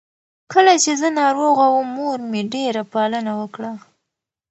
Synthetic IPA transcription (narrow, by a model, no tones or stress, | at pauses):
kəlat͡ʃezənɑɾoɣawəmːoɾmeɖeɾapalənawəkɽa